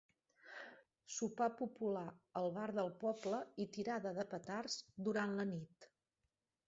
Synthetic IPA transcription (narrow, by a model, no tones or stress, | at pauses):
supapupulaəlˠβaɾðəlˠpɔbləit̪iɾaðəðəpət̪arzd̪uɾanlənit̪